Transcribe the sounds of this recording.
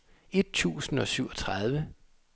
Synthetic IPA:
e̝d̥̚t͡sʰṵːsn̩ɒ̽syʊɒ̽t͡sʰʁɑð̞ˠʋə

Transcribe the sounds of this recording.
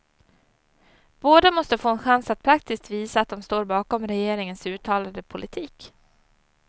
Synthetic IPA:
b̥oːd̪amɔst̪əfoːɛnɧansat̪̚pʰɾak̚t̪ɪsk̚t̪viːsaːt̪̚d̪ɔmst̪oːɾbɑːkɔmɾɛjeːɾɪŋənsʉ̟ːt̪ʰɑːlad̪əpʰʊlʔɪt̪ʰiːk

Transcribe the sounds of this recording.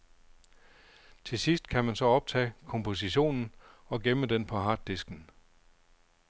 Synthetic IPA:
t͡sʰe̝sisd̥kʰæmænsɒ̽ɒ̽b̥̚t͡sʰɛ̰ːkʰɒ̽mpʰo̝s̬iɕo̝̰ːnn̩ɒ̽ɡ̥eməd̥enpʰɒ̽ɦɑ̈ːd̥isɡ̥n̩

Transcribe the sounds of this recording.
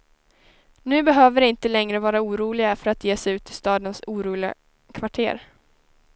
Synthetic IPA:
nʉ̟ːbɛɦøːvəɾɪnt̪əlɛŋɾəvɑːɾauːɾuːlɪɡafœɾat̪jeːsɛʉ̟ːt̪ʰɪst̪ɑːd̪ənsuːɾuːlɪɡa̰ | kʰvaʈʰḛːɾ

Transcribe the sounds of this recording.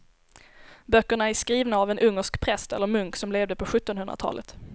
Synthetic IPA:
bœkːəɳaæʂkɾiːvnaːvɛnʔɵŋːəʂkpʰɾɛst̪ɛ̰lːəɾmɵŋksɔmleːvd̪əpʰɔɧɵt̪ːɔnɦɵnɾa̰t̪ʰɑ̰ːlʔə̰t̪

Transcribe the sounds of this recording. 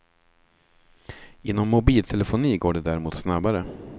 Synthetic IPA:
ɪnːɔmːʊbiːlt̪ʰɛlɛfʊniːɡoːɖɛd̪æɾɛmuːt̪snabaɾə

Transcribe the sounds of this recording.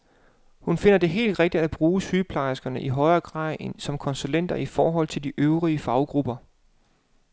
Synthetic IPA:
hunfe̝n̰ɐd̥e̝ɦe̝̰ːld̥ʁeɡ̥̚d̥id̥æb̥ʁuːsyːpʰlɑ̈ɪsɡ̥ɐnəʔiɦɒ̽ɪɐːɡ̥ʁɑ̰̈ð̰ˠesɒ̽mkʰɒ̽nsulen̰d̥ɐʔifɒːɦɒ̽l̰t͡sʰe̝ld̥iʔøʊʁiəfɑ̈ʊɡ̥ʁub̥ɐ

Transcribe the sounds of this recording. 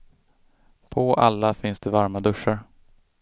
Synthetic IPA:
pʰɔʔalːafɪnsd̪ɛvaɾmad̪ɵʂːaɾ

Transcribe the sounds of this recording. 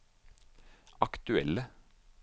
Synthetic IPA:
ɑkt̪ʉɛ̰lə

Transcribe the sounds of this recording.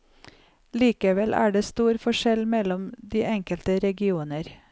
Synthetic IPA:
liːkəʋɛlʔæ̰ːɖeːst̪uːɾfɔʃɛlmɛlɔmd̪iːʔɛŋkəlt̪əɾɛɡɪuːnəɾ

